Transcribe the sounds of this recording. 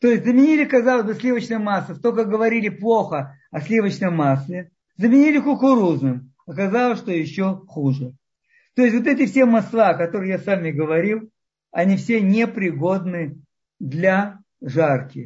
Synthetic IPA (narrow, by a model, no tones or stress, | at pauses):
t̪o̞jɪsʲtʲzəmʲɪnʲilʲɪkɐzalˠəzʲbɨsʲlʲivət͡ɕnəjmasːət̪okəɡəvɐɾʲilʲɪplˠoxə | ɐsʲlʲivət͡ɕnəjmaslʲɪ | zəmʲɪnʲilʲɪkʊkʊɾuznɨm | ɐkɐzalˠəsʲʂt̪ojɪɕːoxuʐɨ | t̪oɪsʲtʲvo̞t̪ɛt̬ʲɪfsʲemɐslˠaɐkɐt̪o̞ɾɨjasamʲɪɡəvɐɾʲilˠ | ɐnʲifsʲenʲepɾʲɪɡo̞d̪nɨ | d̪lʲɐ | ʐarkʲɪ